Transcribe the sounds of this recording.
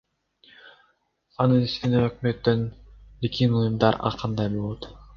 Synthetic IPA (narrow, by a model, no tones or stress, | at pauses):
ɑnɯnist̪ineøkmøt̪ːønlikʲinujumd̪ɑɾɑ̰qʰɑnd̪ɑjbolˠot̪